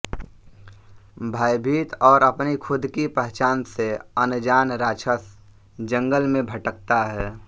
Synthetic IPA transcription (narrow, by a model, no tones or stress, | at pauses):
bʱaːjbʱiːt̪ɔːɾəpnikʰʊd̪ʱkipɛɦt͡ʃaːnseənd͡ʒaːnɾaːt͡ʃʰəs | d͡ʒə̃ŋɡəlmẽbʱəʈək̚t̪aɦɛː